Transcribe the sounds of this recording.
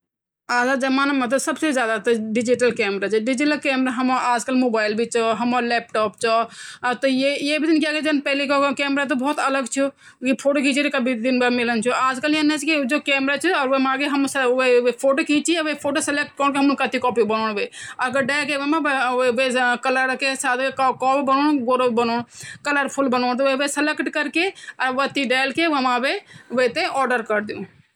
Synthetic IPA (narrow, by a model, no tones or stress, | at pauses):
aːd͡ʒad͡ʒɐmaːnamɐ̃t̪osɐbsezjaːd̪at̪oɖɪd͡ʒiʈəlkɛːmɾaːt͡ʃʰiɖɪd͡ʒiʈəlkɛːmɾaɦɐmoʔaːd͡ʒkɐlmoːbaːɪlbʱit͡ʃɔɦɐmolɛːp̚ʈɔːp̚t͡ʃɔːt̪ojejeːbid̪ɪnkijaːɡed͡ʒɐnpɛɦlikokɛːmɾat̪̬obɔːt̪ɐləɡt͡ʃʰu | kipʰoːʈoːkiːt͡ʃʰiɾekɐbʱid̪ɪnbɐmɪlənt͡ʃʰuaːd͡ʒkəliɐnːet͡ʃkid͡ʒoːkɛːmɾat͡ʃʰuɔːɾʋemaːɡeɦɐmsʊeʋepʰoːʈoːkiːt͡ʃiʋefʰoːʈoːsɪlek̚ʈ̚koːɳkeɦɐmʊnkɐt̪ikɔːpibɐnoːɽ̃ʋeːɐɡəɾɖaːlkemãʋekɐləɾkesaːd̪ekkɔːpibənoːɽ̃ɡoːɾobɐnoːɽ̃kɐləɾpʰʊlbɐnoːnt̪ːeʋesɪlekʈkɐɾkeɐʋət̪iɖaːɪlkeemãːʋeʋet̪eʔɔːɖəɾkɐɾd̪ijũː